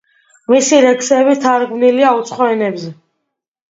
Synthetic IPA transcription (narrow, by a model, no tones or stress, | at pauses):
misiɾɛksɛβit̪ʰaɾɡmniliaut̪sʰχɔɛnɛbzɛ